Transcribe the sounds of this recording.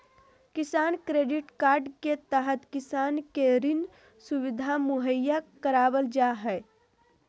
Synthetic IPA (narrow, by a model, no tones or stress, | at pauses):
kisankɾeɖiʈkaɾɖket̪əɦət̪kisankeɾin | suʋid̪ʱamuɦəjːakəɾabəld͡ʒaɦɛ